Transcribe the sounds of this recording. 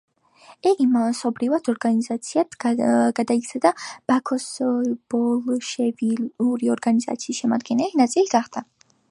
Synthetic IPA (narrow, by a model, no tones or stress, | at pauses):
ɛɡimasɔbɾivad̪ɔɾɡanizat̪sʰiat̪ɡ̥ad̪aik̪sʰad̪ab̥akʰɔsb̥ɔlʃɛviuɾiɔɾɡaniza̰t̪sʰiːsʃɛmad̪ɡɛnɛlinat̪sʼiliɡaχd̪̥a